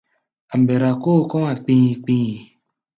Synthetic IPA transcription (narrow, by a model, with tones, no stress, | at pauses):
a˨m̩˨be˨ɾa˨ko˦˨kɔ˦ŋa˨k͡pĩ˦i˨k͡pĩ˦i˨